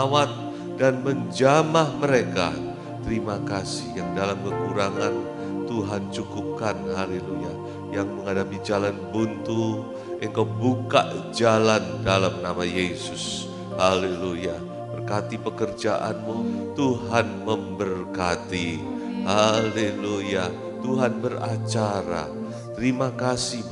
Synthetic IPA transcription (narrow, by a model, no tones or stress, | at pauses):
awat̪̚ | danməɲd͡ʒamahməɾeka̰ | t̪əɾimakasɪhjaŋdalamkəkuɾaŋan | t̪uɦant͡ʃukup̚kanɦaleluja | jaŋməŋadapid͡ʒalanbunt̪u | ʔekawbuka̰ʔd͡ʒalandalamnamajesʊs | haleluja | bərkat̪ipəkərd͡ʒaʔa̰nmut̪uɦanməmbərkat̪ihaleluja | t̪uɦanbərat͡ʃaɾa̰ | t̪əɾimakasi